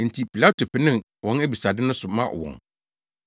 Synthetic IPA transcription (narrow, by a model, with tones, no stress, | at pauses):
n̩˨tʰi˨pʰi˨la˦tʰo˨pʰɪ˨nɪ̃˦˨ | wɔ̃˦næ˦bi˨sa˨dɪ˦nʊ̃˦sʊ˨mã̰˦˨wɔ̰̃˨ŋ